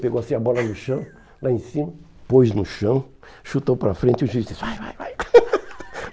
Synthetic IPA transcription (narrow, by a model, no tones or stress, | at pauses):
peɡowasĩɐbɔlɐnʊʃɐ̃w̃ | laẽsĩmɐ | pojznʊʃɐ̃w̃ | ʃut̪owpɾɐfɾẽnt͡ʃɪʊʒid̪isajva̰jvaj